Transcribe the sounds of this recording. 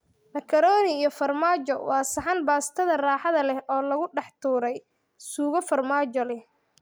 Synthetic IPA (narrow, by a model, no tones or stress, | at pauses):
lɐkʰɐɾɔːnɪijɔfɐrmaːt͡ʃɔwɑːsɐħɑnbaːst̪ʰɐðɐraːħɑðɐlɛhɔːlɐɣʊɖɑħt̪ʰuːɾɛj | suːɣɔfɐrmaːt͡ʃɔlɛh